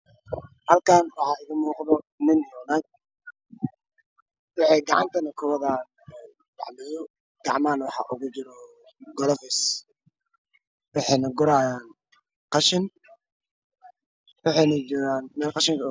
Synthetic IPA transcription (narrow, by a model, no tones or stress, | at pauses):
hɐlkʰaːnwɑħɑːɪɣɐmuːqðɔnɪnjɔːnaːɡ̚ | wɑħɑjɡɑʕɑ̰nt̪ʰɐnɐkʰʊwɐðɐ | dɑ̰ʕmɛjɔ | ɡ̥ɑʕmaːnwɑħɑ̰ʔʊɣʊt͡ʃɪɾɔ | ɡɔlɔfɪs | wɑħɑjnɐɡʊɾaːjaːn | qɑʃɪn | wɑħɑjnɐd͡ʒɔːɣaːnmɛːlqɑʃɪŋkʰɐ